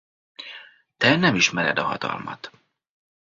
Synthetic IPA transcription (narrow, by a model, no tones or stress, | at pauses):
t̪ɛnɛmiʃmɛɾɛ̰d̪ɒɦɒt̪ɒ̰lmɒt̪